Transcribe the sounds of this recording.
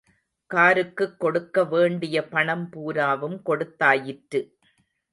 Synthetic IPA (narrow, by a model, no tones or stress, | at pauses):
kaːɾɯkːɯkːɔɽɯkːɐʋeːɳɖɪjɐpɐɳɐmpuːɾaːʋɯmkɔɽɯt̪ːaːjɪʈɾɯ